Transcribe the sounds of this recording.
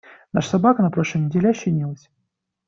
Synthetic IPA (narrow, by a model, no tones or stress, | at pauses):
naʂə̥sɐbakənɐpɾoʂlˠəmnʲɪdʲelʲaɕːɪnʲilˠəsʲ